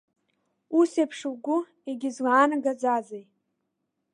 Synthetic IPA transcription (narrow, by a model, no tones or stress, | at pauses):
usejpʰʂwɡʷʊ | eɡʲɪzwaːnaɡad͡zazej